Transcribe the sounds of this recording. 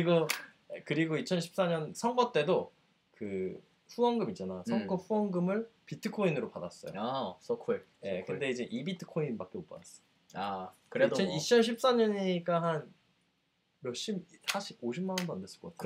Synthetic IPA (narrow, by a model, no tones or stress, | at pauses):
ɯiɡo | kɯɾiɡoit͡ɕʰʌnɕʰi̥p̚s͈aɲʌnsʰʌŋɡʌt͈e̞do | kɯ | ɸuwʌŋɡɯmit͡ɕ͈anajsʰʌŋkʌɸuwʌŋɡɯmɯɭpitʰɯkʰoinɯɾopadas͈ʌjo̰kʰje̞kɯnde̞id͡ʑe̞ʔibitʰɯ̥kʰoinbak͈eop͈ʌ̰as͈ʌ̥ | akɯeʌnit͡ɕʰʌnɕ̬ʰip̚s͈aɲʌɲik͈aɦan | jʌɭɕ͈imsʰaɕʰiboɕʰimːanʌndoandes͈ɯ̥kʌk͈atʰ